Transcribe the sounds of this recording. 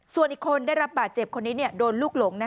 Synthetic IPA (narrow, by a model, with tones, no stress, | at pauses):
su˨˩ənʔiː˨˩kʰːo˧ndaː˥˩jɾa˦˥p̚baː˨˩t̪̚t͡ɕe˨˩p̚kʰo˧nːiː˦˥ni˥˩ədoː˧nluː˥˩k̚lo˩˦ŋna˦˥